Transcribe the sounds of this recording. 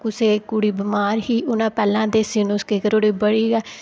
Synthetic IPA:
kʊseːkuːɽiːbəmaːɾɦiːʔʊnãːpɛːlãːd̪eːsiːnoːskeːkəɾoːɽiːbəɽiːɡɛː

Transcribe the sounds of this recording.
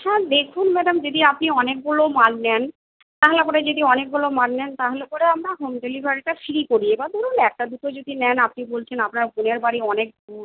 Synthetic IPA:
ʃɛ̃d̪ekʰunmɛɖamd͡ʑod̪iapniɔnek̚bulomannɛn | t̪aɦolepɔɾed͡ʑod̪iɔnek̚bulomannɛnt̪aɦolepɔɾeamɾaɦomɖelibʱaɾiʈafiɾikoɾiebad̪oɾunɛk̚ʈad̪ut̪od͡ʑod̪inɛnapnibolt͡ɕʰenapnaɾbuneɾbaɾiɔnek̚duɾ

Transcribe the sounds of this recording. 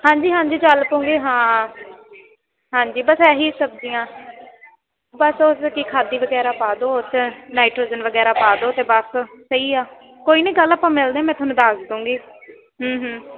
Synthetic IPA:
hãːɲd͡ʒiːɦãːɲd͡ʒiːt͡ʃəlpõːŋɡiːɦãː | ɦãːɲd͡ʒiːbəsɛːɦiːsəb̚d͡ʒɪjãː | bəsoskikʰaːd̪iːʋəɡɛːɾaːpaːd̪oːt͡ʃnaːiʈɾoːzənʋəɡɛːɾaːpaːd̪oːt̪eːbəssəiːaː | koːiːnẽiːɡəlːapãːmɪld̪eːaːmɛ̃ːt̪ʰʊnũːd̪aːsd̪ũːŋɡiː | ɦəːɦəː

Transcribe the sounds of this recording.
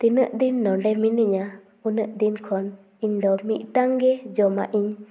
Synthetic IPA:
t̪inəʔd̪inːɔɳɖɛminəʔɲa | unəʔd̪inkʰɔn | iɲd̪ɔmiʔ̪̚ˀʈaŋɡɛd͡ʒɔma̰ʔiɲ

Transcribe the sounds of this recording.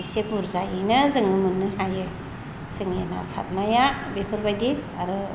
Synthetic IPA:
jsepuɾzajinɯzɯŋɯmɯnːɯɦajɯ | z̥ɯŋena̰sa̰t̚majabepʰɯɾbajdiaɾɯ

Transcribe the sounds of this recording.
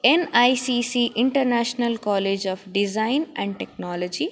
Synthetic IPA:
enajsiːsiːʔiɳʈɐɾnaːʃnɐlkɔːleːd͡ʒɔːfɖizajnɛ̃ɳɖ̚ʈeknɔːlod͡ʒi

